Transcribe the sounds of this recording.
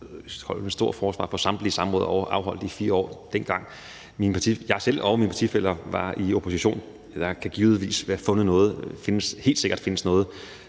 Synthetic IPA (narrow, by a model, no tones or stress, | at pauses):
hɒ̽l̰mensd̥o̝ɐ̰̥fɒːsʋɑ̰̈ːfʰɒ̽sɑ̈md̥lisɑ̈mʁɔ̽ːðˠɐɒʔɑ̈ʊɦɒ̽l̰d̥ˠifiːɐɒ̰ːd̥en̰ɡ̥ɑ̈ŋ̰ | minpʰɑ̈t͡sʰijɑ̈ɪsel̰ɒminpɑ̈t͡sʰifel̰ɐʋɑ̈io̝pʰo̝siɕo̝̰ːn | d̥ɑ̈kʰæɡ̥iːʊð̩ˠʋḭːsʋæːɐfɔ̽nð̩ˠnɔ̽ːð̩ˠfe̝nəshe̝̰ːld̥se̝ɡ̥ɐd̥fe̝nəsnɔːð̞̩ˠ